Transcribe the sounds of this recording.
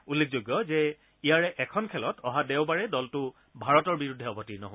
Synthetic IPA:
ulːek̚ʰzoɡjɔzɛ | ijaɹɛʔɛkʰɔnkʰɛlɔtʰɔɦadewbaɹɛdɔltʊ | bʱaɹɔtɔɹbiɹudʱːɛɔbɔtinɔ̰ɦo

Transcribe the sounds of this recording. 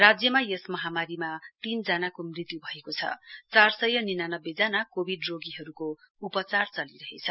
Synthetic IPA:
rad͡zjʌmajesmʌɦamaɾimat̪ind͡zanakomrit̪jubʱʌekot͡sʰʌ̰t͡sarsʌjːʌninanʌbːed͡zanakobʱiɖroɡiɦʌɾuko | upʌt͡sart͡sʌliɾʌɦḛt͡sʰʌ

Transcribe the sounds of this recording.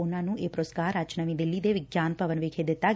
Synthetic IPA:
ʊnãːnũːeːpɾoːskaːɾət͡ʃnəʋĩd̪ɪlːid̪eʋɪɡjaːnpəʋənʋɪkʰed̪ɪt̪ːa

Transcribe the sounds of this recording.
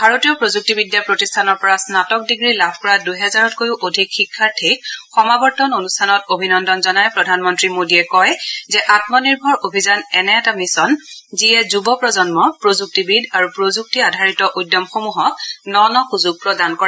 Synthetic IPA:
bʱaɹotiɔpɹozuk̚tibidjapɹotistʰanɔɹpɔɹasnatɔk̚diɡɹilabʰʱkɔɹadujɦɛzaɹɔtkojuʔodʱikxikʰːaɹtʰek̚xɔmabɔɹtɔnonustʰanɔtobʱinɔndɔnzɔnajpɹɔdʱanmɔntɹimodiɛkɔjzɛʔatmɔniɹbʱɔɹʔobʱizanɛnɛːtamisɔnziɛzubɔpɹɔzɔnmɔpɹozuk̚tibidaɹupɹozuk̚tiadʱaɹitɔʔudjɔmxomuɦɔknɔnɔxuzuɡ̚pɹɔdankɔɛ

